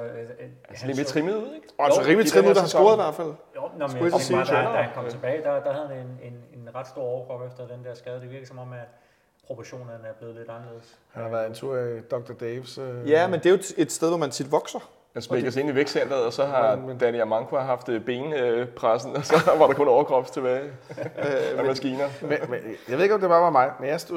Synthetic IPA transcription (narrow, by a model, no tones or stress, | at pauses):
emet͡sʰʁimuðð̩̰ˠeɡ̥ɒælsɒʁiːmliʁimuð̥ˠhænsbo̝ɐðˠiʋæɐdfæl̰ | nnsɡuesidæhænkʰɒ̽t͡sʰeb̥ɛːɪd̥ad̥ɑ̈ɦæðˠhæenenenʁɑd̥sd̥o̝ɐ̰ɒʊɡ̥ʁɔʊefd̥ɐd̥end̥æɐ̰sɡ̥ɛðˠd̥e̝ʋiɐɡ̥lisɒ̽mɒ̽m̰æ | pʰʁo̝pʰɒɕo̝̰ːnɐnæɐb̥le̝ːð̩ˠld̥ɑnəle̝ð̰ˠs | hænhɑ̈ʋæɐðˠent͡sʰuɐ̰d̥ɒ̽ɡ̥̚d̥ɐd̥eʋsjæmend̥e̝o̥e̝d̥sd̥eð̞ˠʋɒmænt͡sʰid̥ʋɒ̽ɡ̥sɐ | mænsmmeɡ̥ɐs̬e̝niʋeɡ̥sen̰d̥ɐð̩ˠɒ̽sɒ̽ɦɑ̈d̥æniæmɑ̈ŋɡʰæɦɑ̈fd̥əb̥e̝ːnøpʰʁasn̩ɒsɒ̽ʋɑ̈ɾ̥ɑ̈kɔ̽nɒʊɐɡ̥ʁɒ̽b̥st͡sʰe̝b̥ɛːɪ | mmæsɡ̥iːnɐmmjɑʋee̝ɡɒmd̥e̝b̥ɑ̈ːʋɑ̈mɑ̈ɪmenjasd̥